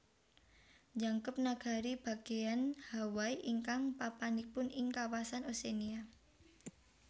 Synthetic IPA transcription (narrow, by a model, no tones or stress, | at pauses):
d͡ʒaŋkəp̚naɡ̥a̤ɾib̥a̤ɡ̥eanhawaiʔiŋkaŋpapanik̚pʊnɪŋkawasanosenia